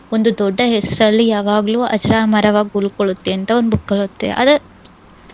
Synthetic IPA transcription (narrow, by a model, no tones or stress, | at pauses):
ond̪ud̪ɔɖːɐɦesɾɐlːijaːʋaːɡɐluːɐ̰d͡ʒɐɾaːmɐɾɐʋaːɡiulkoɭut̪ːeɐnt̪ɐond̪bukːɐɭut̪ːe̞̰ʔɐ̰d̪ɐ